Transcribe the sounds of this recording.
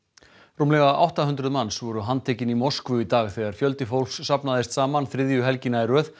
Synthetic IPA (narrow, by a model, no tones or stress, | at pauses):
rumlɛɣaa̰wht̪aɦʏnt̪ɾʏðmanːsvɔɾʏɦant̪ʰɛːcɪnimɔrskvʏit̪aːɣθɛɣaɾ̥fjœlt̪ɪfowlfsːapnaðɪst̪saːmanθɾɪðjʏɦɛlcɪnaɛɾœːθ